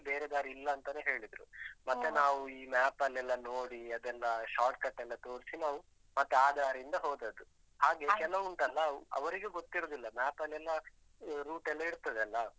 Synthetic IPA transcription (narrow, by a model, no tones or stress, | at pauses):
be̞ːɾed̪aːɾiilːɐːnt̪ɐne̞ːɦe̞ːɭid̪ɾṵmɐt̪ːenaːʋuiːmaːpɐlːɛlːɐnoːɽiɐd̪ɛlːɐʃaːʈ̚kɐʈːɛlːɐt̪o̞ːɾsinaːʋu | mɐt̪ːeaːd̪ʱaːɾind̪ɐɦoːd̪ɐd̪u | haːɡe̞kɛlːɐuɳʈɐlːɐɐ̰ʋɐɾiɡeɡot̪ːiɾoːd̪ilːɐmaːpɐlːɛlːɐ | ɾuːʈɛlːɐiɾt̪ːɐd̪ɐlːɐ